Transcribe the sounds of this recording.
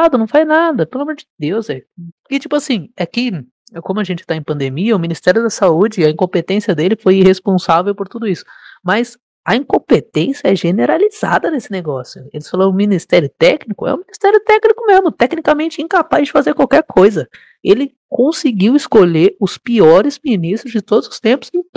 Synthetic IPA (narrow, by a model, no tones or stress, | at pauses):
ad̪ʊnɐ̃w̃fajznad̪ɐpelɐamoɾd͡ʒɪd̪ewzɛɪt͡ʃipʊasĩakɪ | kõmʊɐʒẽnt͡ʃɪ̥t̪aẽpɐ̃nd̪emiɐʊmĩnist̪ɛɾjʊd̪ɐsaud͡ʒɪɐĩŋkõpet̪ẽsiɐd̪elɪfojhespõsavewpoɾt̪ud̪ʊisʊ̥mɐz | ɐĩkõpet̪ẽsjɐɛʒeneɾaliz̥a̰d̪ɐnesɪneɡɔsjʊelɪsfaloɾ̃ʊ̃minist̪ɛɾjʊt̪ɛknikʊɛ̰ũminist̪ɛɾjʊt̪ɛknikʊmezmʊt̪ɛknikamẽnt͡ʃɪĩkapazd͡ʒɪfazeɾkwawkɛɾkʰojzɐ | elɪ | kõsɪɡiwɪskoleɾʊspiɔɾɪzminist̪ɾʊzd͡ʒɪt̪od̪ʊzʊ̥st̪ẽpʊzẽ